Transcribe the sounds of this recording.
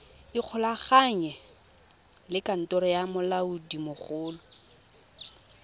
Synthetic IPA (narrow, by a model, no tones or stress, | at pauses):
ɪq͡χʰɔlaχaɲɛ | lɪkʼan̩tʼɔɾɔjamʊlaudimʊχʊːlɔ